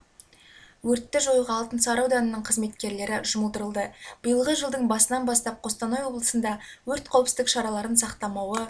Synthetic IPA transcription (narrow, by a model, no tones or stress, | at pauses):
wɵɾt̪ːɪʒo̞jʁɑːlˠt̪ənsɑɾɑwd̪ɑnənəɴqʰəzme̞t̪kʲe̞ɾle̞ɾɪʒʊməlˠd̪əɾəlˠd̪əb̥əjəlˠʁəʒəlˠd̪əɴbɑsənɑnbɑst̪ɑp̚qʰo̞st̪ɑnojwo̞blˠəsənd̪ɑwɵɾt̪qʰɑwəpsd̪ɪkʃɑɾɑlˠɑɾənsɑqt̪ɑmɑwə